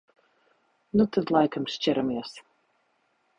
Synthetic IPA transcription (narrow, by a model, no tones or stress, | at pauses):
nut̪ad̪lˠajkamst͡ʃɛɾamiɛs